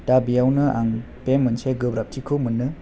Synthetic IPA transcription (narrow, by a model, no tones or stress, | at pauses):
tabiawnɯaŋ | pemːɯnseɡɯbɾap̚tʰikʰɯmɯnːɯ